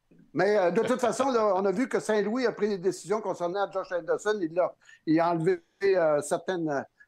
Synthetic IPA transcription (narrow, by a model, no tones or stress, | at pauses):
mɛd̪ət̪ut̪fasɔ̃lɔɔ̃navykəsɛ̃lwiapχid̪ed̪esizjɔ̃kɔ̃sɛʁnɛad͡ʒɑʒɛ̃d̪ɛsɔnilːœʁiɑ̃lve | øsɛʁt̪ɛnø